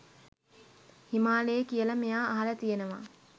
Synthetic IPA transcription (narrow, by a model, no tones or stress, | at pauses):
himaːlejekijəlɐmejaːɦɐlət̪ijenəʋa̰